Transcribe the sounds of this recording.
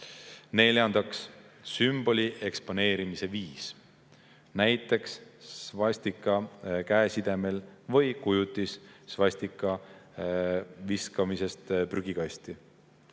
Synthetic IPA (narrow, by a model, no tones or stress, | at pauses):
ne̞lʲjɑnd̪̥ɑkssymb̥o̞lʲiʔe̞kspo̞ne̞ːɾimise̞viːs | næjt̪ːˑe̞ksːvɑsʲt̪ikːˑɑkæesid̪̥e̞me̞lvɤjkujut̪ːˑisːvɑsʲt̪ikːˑɑ | viskɑmise̞st̪pryɡ̥ikɑsʲt̪i